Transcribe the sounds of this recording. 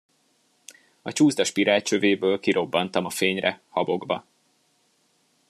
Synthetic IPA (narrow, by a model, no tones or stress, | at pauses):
ɒt͡ʃuːzd̪ɒʃpiɾaːt͡ʃøveːbøːlkiɾo̞bːɒnt̪ɒmɒfeːɲrɛhɒbo̞ɡbɒ